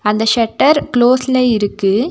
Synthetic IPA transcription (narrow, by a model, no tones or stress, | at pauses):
ɐnd̪ɐʃɛʈːɐɾkloːsɪleɪɾɯkːɯ